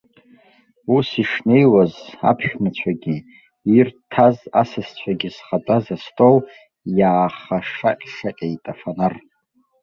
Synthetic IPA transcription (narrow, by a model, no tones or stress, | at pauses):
usiʂne̞jwaza̰pʰʃᶣmɨt͡ɕʷʰaɡʲi | irtʰazasɨst͡ɕʷʰaɡʲizχat͡pʼazastʼow | jaːχaʂaqʲʼʂaqʲʼejtʼafanar